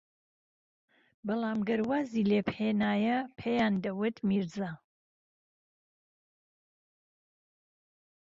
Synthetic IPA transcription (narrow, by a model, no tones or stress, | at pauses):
bɐlˠaːmɡɐɾwaːziːleːphenaːjɐpʰejaːnd̪ɐwɨt̪miɾza